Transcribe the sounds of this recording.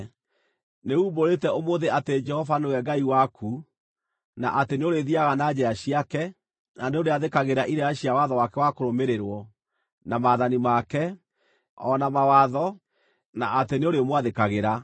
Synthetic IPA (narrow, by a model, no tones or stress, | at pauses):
neuːboɾetɛomoðeated͡ʒɛhɔvanewɛɡaiwakʰu | na̰ʔateneoɾeðiaɣanad͡ʑɛaɕiakɛ | naneoɾeaðekaɣeɾaʔiɾɛaɕiawaðɔwakɛwakoɾomeɾeɾwɔ | namaːðanimakɛ | ɔnamawaðɔ | na̰ʔateneoɾeomwaðekaɣeɾa